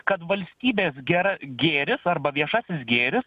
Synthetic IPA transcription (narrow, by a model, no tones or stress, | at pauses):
kɐt̪ʋɐlʲsʲt̪ʲiːbʲeːsɡʲɛɾɐɡʲeːɾʲɪsɐrbɐʋʲiɛʃɑːsʲɪsɡʲeːɾʲɪs